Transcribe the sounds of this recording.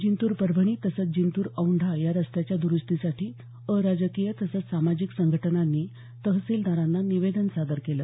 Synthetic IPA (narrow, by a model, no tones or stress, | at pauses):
d͡ʑint̪uːɾpəɾbʱəɳ̃iːt̪əsət͡s̚d͡ʑint̪uːɾəwɳɖʱajaɾəst̪at͡ɕjad̪uɾust̪isaʈʰiː | əɾad͡ʑəkijət̪əsət͡ssamad͡ʑiksəŋɡʱəʈənanːiː | t̪əɦsiːld̪aɾanːaniʋed̪ənsad̪əɾkelə